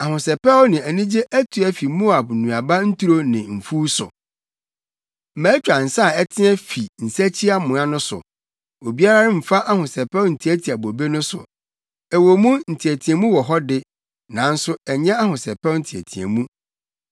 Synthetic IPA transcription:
a˨hʊ̃˨sɛ˨pɛ˦ɔ˦nɪ̃˨æ˨nĩ˦d͡ʑe˦ʔæ˦tʰu˨ɛ˦fi˨mo˦a˨bnũ˨a˨ba˦n̩˦tu˦ɾo˦nɪ̃˨m̩˨fuː˦sʊ̰˨˦ | mæ̃ː˨˦t͡ɕᶣɾã˨n̩˨sa˦˨ɛ˦tʰɪ̃˦ɛ˦fi˨n̩˨sæ˦t͡ɕʰi˦a˦mʊ̃˨ã˦nʊ̃˦sʊ̰˨ | o˨bi˦a˦ɾa˦ɾɪ˦m̩˨fa˦ʔa˦hʊ̃˨sɛ˨pɛ˦wʊ˦n̩˨tʰi˨æ˦tʰi˨a˨bo˨be˦nʊ̃˦sʊ̰˨ | ɛ˨wo˨mũ˦n̩˨tʰi˨æ˨tʰĩ˨ɛ̃˨mũ˦wɔ˨ɦɔ˦dɪ˦ | nã˨˦n̩˦sʊ˦ɛ˨ɲɛ̃˦a˦ɦʊ̃˨sɛ˨pɛ˦ʊ˦n̩˦tʰi˨æ̰˨tʰḭ˨ɛ̰˨mũ˦

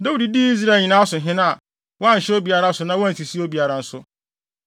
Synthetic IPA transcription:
da˦wu˦˨di˨di˦i˦z̬ɾa˦˨ɲĩ˨nã˦sʊ˨ɦɪ̃˦nã˦a˨ | wɔ˦a˦ɲ̩˨ɕɛ˦o˦bi˨a˨ɾa˦sʊ˨nã˦wɔ˦a˦n˨tʰi˨si˦o˦bi˨a˨ɾa˨n̩˦sʊ˦

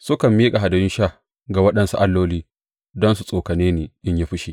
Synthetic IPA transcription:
sʊ˦kɐ˨mːiː˦kʼa˨ɦa˨dɐ˨jɪ˦nʃa˦˨ | ɡa˨wɐ˦ɗɐ˨nsu˨ʔa˦lːoː˦liː˦ | dɔ˦nsu˨sʼoː˨kɐ˨neː˦neː˨ʔɪ˦ɲja˦ɸɪ˦ʃi˨

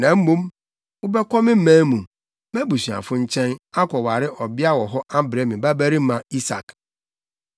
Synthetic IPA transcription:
nã˨m̩˦mũ˦m | ʊ˦bɛ˦kɔ˦mɪ̃˦m̩˦mæ̃˦mũ˨ | mɛ˦bu˨si˨ã̰˨fʊ̃˦ɲ̩˦t͡ɕʰɛ̃˦na˦kʷɔ˨wa˨ɾɪ˦ʔɔ˨bɪ˦a˦wɔ˨ɦɔ˦ʔa˦bɾe˦mɪ̃˨ba˦bæ˦ɾi˦mã˨i˦sa̰˨k

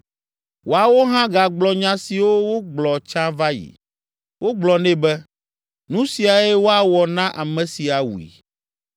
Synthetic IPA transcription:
wo˨a˨wo˦ɦã˦ɡa˨ɡ͡blɔ˦ɲã˦si˨wo˦wo˦ɡ͡blɔ˨t͡ʃã˦va˦jḭ˨ | wʔo˦ɡ͡blɔ˨nɛ̃˦bɛ˦ | nũ˦si˨a˨ɛ˦wo˦a˨wɔ˨nã˦ʔa˨mɛ̃˨si˨a˨wṵ˨ḭ˨

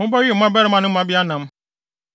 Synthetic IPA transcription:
mʊ̃˦bɔ˦ɥ̩˦˨˦mã˦bɛ˦ɾɪ˦mã˦nɪ̃˦mã˦bi˦a˦nã˨m

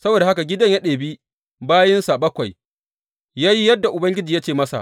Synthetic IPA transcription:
sɐ˦boː˨da˨ha˦ka˨ɡʲɪ˦dɐ˦ɲja˦ɗeː˨bi˦ | baː˦jɪ˦nsa˨bɐ˦kʷa˨j | jaː˦ji˦jɐ˦dːa˨ʔʊ˨bɐ˦ŋɡʲɪ˦d͡ʒi˨jaː˦t͡ʃeː˦˨mɐ˦sa̰˨ʔ

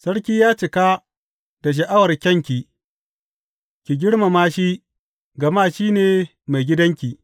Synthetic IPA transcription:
sɐ˦ɽkʲiː˦jaː˦t͡ʃɪ˨ka˦ | d̥a˨ʃ̬ɐ˨ʔa˦wɐ˨rkʲɐ˦˨ŋkʲi˨ | kʲi˨ɡʲɪ˦ɽma˨maː˦ʃi˦ | ɡɐ˨ma˦˨ʃiː˦neː˨ | ma˨jɡʲɪ˦dɐ˦ŋkʲiː˨

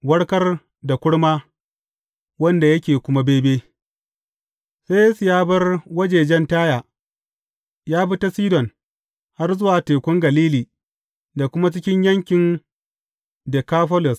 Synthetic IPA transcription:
wɐ˦ɽkɐ˦r | da˨kʷʊ˦ɽmaː˦ | wɐ˦nda˨jɐ˦kʲeː˨kʷʊ˦ma˦beː˦beː˦ | se˦ja˦sʊ˨jaː˦bɐ˦rwɐ˦d͡ʒeː˨d͡ʒɛ˦ntaː˦jaː˨ | jaː˦bɪ˦ta˦siː˦dɔ˨n | ha˦rzʊ˦waː˨teː˨kʷʊ˦ŋɡɐ˨liː˦liː˨ | da˨kʷʊ˦ma˦t͡ʃɪ˦kʲɪ˦ɲjɐ˦ŋkʲɪ˨n | de˨kaː˦ɸɔ˦lɔ˨s

